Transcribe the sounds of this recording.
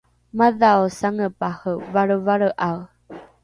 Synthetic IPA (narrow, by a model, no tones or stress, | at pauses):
maðaosaŋəpahəvaɾəvaɾəʔaw